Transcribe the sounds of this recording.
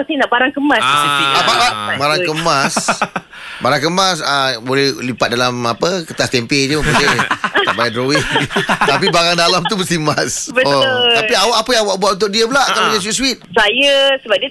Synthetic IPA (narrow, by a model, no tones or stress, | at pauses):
sajnaʔbaɾaŋkəmasəsiiabalaʔabaɾaŋkəmas | baɾaŋkəmasəbolɛhlipat̪̚dalamapəkət̪ast̪ɛmped͡ʒəəpud͡ʒia̰ʔbajaʔdɾowɪŋt̪ap̬ibaɾaŋdalamt̪ubəst̪imasbət̪ʊt̪apiawaʔapəjaŋwaʔbuat̪unt̪ʊk̚diəpəlaʔkalaiaswit̪̚swit̪̚sajəsəbap̚diə